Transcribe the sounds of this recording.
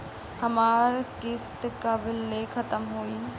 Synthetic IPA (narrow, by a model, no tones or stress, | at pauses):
hɐmaːɾkɪst̪kɐbɪlːekʰɐt̪əmɦoːi